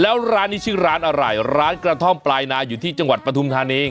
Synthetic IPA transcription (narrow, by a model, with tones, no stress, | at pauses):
lɛː˦˥wɾaː˦˥nːiː˥t͡ɕʰɯː˦˥˩ɾaː˦˥nʔa˧ɾa˧˩jɾaː˦˥nkɾa˧t̪ʰɔ˥˩mplaː˧jnaː˧juː˨˩t̪ʰiː˥˩t͡ɕa˧ŋwa˨˩t̪̚pɾa˧t̪ʰu˧mt̪ʰaː˧neː˧˩ŋ